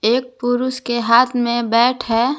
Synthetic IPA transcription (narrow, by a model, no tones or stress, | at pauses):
eːk̚pʊɾʊskeɦaːt̪ʰmẽbɛːʈʰɦɛː